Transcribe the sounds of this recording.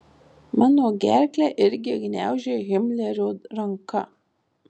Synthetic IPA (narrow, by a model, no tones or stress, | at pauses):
mɑːnoːɡʲæ̰ɾʲkʲlʲæʔɪɾʲɡʲɪɡʲnʲæ̰wʒʲeɣʲɪmlʲɛɾʲoːrɐŋkɐ